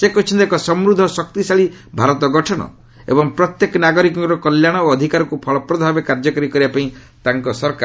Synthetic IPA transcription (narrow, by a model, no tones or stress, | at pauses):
sekɔt͡ʃʰɔnt̪ekɔsɔmɾud̪ʱːɔsɔk̚t̪isaɭibʱaɾɔt̪ɔɡɔʈʰɔɽ̃ɔ̰ | ḛbɔŋpɾɔt̪jekɔnaɡɔɾikɔŋɾɔkɔljaɽ̃ɔoɔd̪ʱikaɾɔkupʰɔɭɔpɾɔb̪ʱabekaɾd͡ʒɔkɔɾikɔɾibapaĩ | t̪aŋkɔsɔɾkaɾ